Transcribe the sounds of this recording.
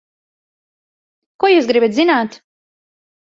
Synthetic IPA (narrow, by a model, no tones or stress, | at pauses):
kuɔjuːsɡɾibat̪zinaːt̪